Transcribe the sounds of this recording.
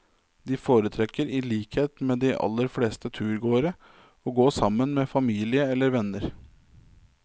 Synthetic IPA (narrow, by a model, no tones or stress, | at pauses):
d̪ɪfoːɾət̪ʰɾɛkːəɾɪliːkheːt̪meːd̪ɪʔɑ̰lːəɾfleːst̪ət̪ʰʉːɾɡoːɾə | ɔɡoːsɑmːənmeːfɑmiːlɪəɛlːəɾʋɛnəɾ